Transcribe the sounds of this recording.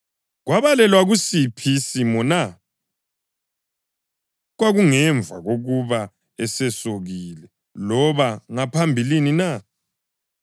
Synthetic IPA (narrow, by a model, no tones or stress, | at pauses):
ɣwaβalɛlwaɣusipʰisimɔna | ɣwaɣuŋɛɱb̪vʱa̰ɣoɣuβa | ɛsɛsoɣilɛ | lɔβaŋapʰambʱilinina